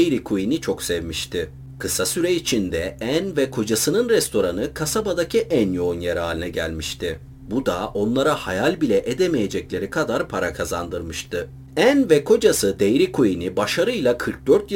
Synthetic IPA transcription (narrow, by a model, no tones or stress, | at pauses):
ejɾikʰujinit͡ʃʰo̞ksevmiʃt̪ʰɪ | kʰɯsasyɾɛit͡ʃʰind̪ɛænvɛkʰo̞d͡ʒasɯnɯnɾɛst̪ʰo̞ɾanɯkʰasabad̪acʰiʔænjo̞unjaɾaːlʲinɛɟæ̰lʲmiʃt̪ʰɪ | bud̪aʔo̞nlˠaɾahajalʲbilʲɛʔed̪emejed͡ʒɛclʲe̞ɾikʰad̪aɾpʰaɾakʰaza̰nd̪ɯɾmɯʃt̪ʰɯ | ænvɛkʰo̞d͡ʒasɯd̪ejɾikʰujinibaʃaɾɯjlˠakʰɯɾk̚d̪øɾt̪j